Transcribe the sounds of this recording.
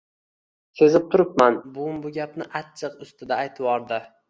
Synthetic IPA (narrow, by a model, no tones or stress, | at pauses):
se̞zɪp̚t̪ʰʊɾɪpmanbʊmbʊɡʲapnɪʔat͡ʃːʰɨqʊst̪ɪd̪aːjt̪ʰɪwɒɾd̪ɪ